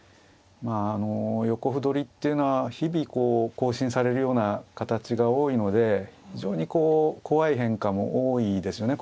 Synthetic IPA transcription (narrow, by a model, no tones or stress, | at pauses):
maːno̞jo̞ko̞ɸɯ̟d̪o̞ɾʲit̪ːe̞jɯ̟no̞βaçibʲiko̞ːko̞ːɕĩɰ̃saɾe̞ɾɯ̟jo̞ːnakat̪at͡ɕiɡao̞ːino̞d̪e̞çiiʑo̞̰ːɲ̟iko̞ːko̞βaiɦẽ̞ŋkamo̞̰ʔoːid̪e̞sɨjo̞ne̞